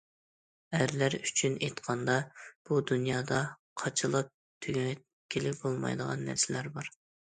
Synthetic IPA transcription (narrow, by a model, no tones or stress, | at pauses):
æɾlæɾyt͡ʃʰynejt̪qʰɑnd̪ɑb̥ud̪unjɑːd̪ɑ | qʰɑt͡ʃʰɨlˠɑp̚ | t̪ʰyɡ̪ʲ | kʲʰelɪk̚ʲbolˠmɑ̰jd̪əʁɑ̰nːæ̰ɾsɪlæɾbɑɾ